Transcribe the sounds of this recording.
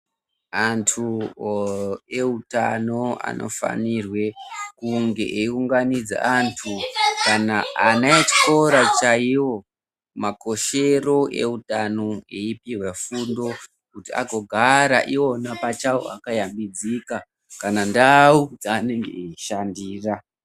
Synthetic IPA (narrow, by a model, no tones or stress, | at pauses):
antʰu | e̞uta̰no̞a̰nʔo̞̰fa̰nirwe̞kuŋɡe̞ʔeiuŋɡanid͡za̰antʰukanaanait͡ʃi̥ko̞ɾat͡ʃaiwo̞ | mako̞ʃe̞ro̞ʔe̞̰utano̞eipirwefundo̞ | kutia̰ɡʱo̞ɡʱaɾa̰ʔio̞napat͡ʃao̰a̰kajambid͡zika | kanandaud͡zaːne̞ŋɡe̞̰eiʃandiːra